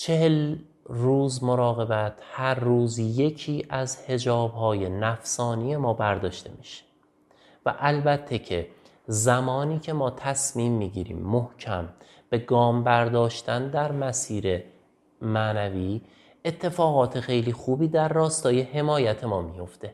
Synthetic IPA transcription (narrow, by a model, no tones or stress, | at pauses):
t͡ʃʰe̞hel | ruːzmoɾɒːɣe̞bæt̪ʰhæɾːuːzje̞cʰiːʔæzhe̞d͡ʒɒːbhɒːje̞næfsɒːnije̞mɒːbæɾd̪ɒːʃt̪e̞̰miʃe̥ | væ̰ʔælbæt̪ʰːe̞cʰe̞ | zæmɒːniːcʰe̞mɒːt̪ʰæsmiːmːiːɟḭːɾḭːmːohcʰæm | b̥e̞ɡɒːmbæɾd̪ɒːʃt̪ænd̪æɾmæsiːɾe̞ | mænæviː | et̪ʰːe̞fɒːɣɒːt̪ʰe̞xe̞jliːxuːbiːd̪æɾːɒːst̪ɒːje̞he̞mɒːjæt̪ʰe̞mɒːmijo̞ft̪e̞